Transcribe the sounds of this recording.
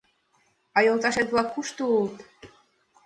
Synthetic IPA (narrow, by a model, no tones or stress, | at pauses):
ɑjolˠt̪ɑʃet̪βlˠɑkkːuʃt̪uult̪